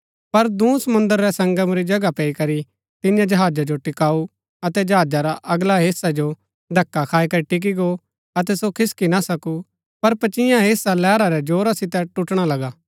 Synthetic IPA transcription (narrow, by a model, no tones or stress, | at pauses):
pɐɾd̪ũːsɐmʊ̃nd̪əɾːɛsɐ̃ŋɡəmɾid͡ʒɐɡapɛːikɐɾi | t̪ɪjãd͡ʒɐɦaːd͡ʒad͡ʒoʈɪkaːu | ɐt̪ɛd͡ʒɐɦaːd͡ʒaɾaʔɐɡlaɦeːsad͡ʒo | d̪ʱɐkːakʰaːikɐɾiʈɪk̬iɡo | ɐt̪̬ɛsokʰɪskinasɐku | pɐɾpɐt͡ʃɪ̃jãɦeːsalɛːɾaɾɛd͡ʒoːɾasɪt̪ɛʈʊʈɽ̃alɐɡaː